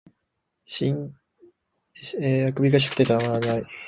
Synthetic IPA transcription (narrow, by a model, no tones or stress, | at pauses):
ɕĩŋ | eakɯ̟bʲikaɕ̬kɯ̟t̪ːet̪aɾamanai